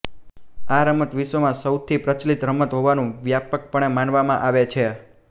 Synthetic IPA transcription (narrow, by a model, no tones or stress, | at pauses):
aɾəmət̪ʋiʃʋəmãsəwt̪ʰipɾət͡ʃlit̪ɾəmət̪ɦoʋanũʋjapək̚pəɳ̃emanʋamãʔaʋet͡ʃʰe